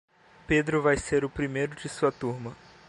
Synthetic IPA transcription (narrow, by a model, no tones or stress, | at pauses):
ped̪ɾʊvajseɾʊpɾimejɾʊd͡ʒɪsuɐt̪uɾmɐ